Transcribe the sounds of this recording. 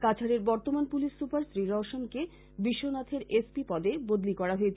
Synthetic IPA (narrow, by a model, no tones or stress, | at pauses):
kat͡ɕʰaɾeɾbɔɾt̪omanpuliʃːupaɾsɾiɾɔʃonke | biʃːonat̪ʰeɾespipɔd̪ebod̪likɔɾaɦoet͡ɕʰ